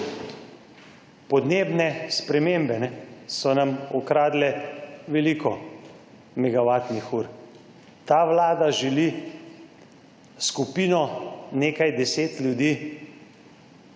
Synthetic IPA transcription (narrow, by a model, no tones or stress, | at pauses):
pɔd̪neːbnɛspɾɛmembɛnɛsɔnamɔkɾaːd̪lɛʋɛlikɔ | mɛɡaʋat̪nixuːɾ | t̪aːʋlaːd̪aʒɛli | skupiːnɔneːkajd̪ɛseːt̪lʲjud̪iː